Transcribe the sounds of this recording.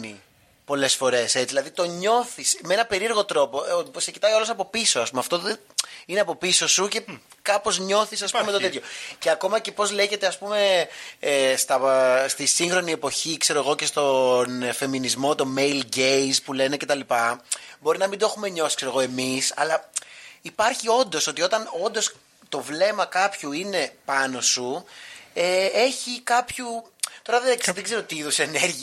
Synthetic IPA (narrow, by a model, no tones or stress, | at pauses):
ni | po̞le̞sfo̞ɾe̞se̞t͡siðilɐðit̪o̞ɲo̞θismeenɐpe̞ɾieɾɣo̞t̪ɾo̞po̞secit̪ɐiolosɐpo̞piso̞ɐspumeɐft̪o̞ð | ineɐpo̞piso̞suce̞kɐpo̞zɲo̞θisɐsppumet̪o̞t̪et̪ʰçoceɐko̞mɐce̞po̞zle̞ʝe̞t̪eɐspume̞est̪ɐst̪isiŋxɾo̞nie̞po̞çikse̞ɾoeɣo̞ce̞st̪o̞nfe̞minizmo̞t̪o̞me̞jlɟejspule̞ne̞ce̞t̪ɐlipɐbo̞ɾinɐmind̪oexume̞ɲo̞sikse̞ɾo̞ɣo̞e̞misɐ̰lɐipɐɾçio̞nd̪o̞so̞t̪io̞t̪ɐno̞nd̪o̞s | t̪o̞vle̞mɐkɐpçuine̞pɐno̞su | ee̞çikɐpçut̪o̞ɾɐðeðeɡze̞ɾot̪iiðoseːne̞ɾʝi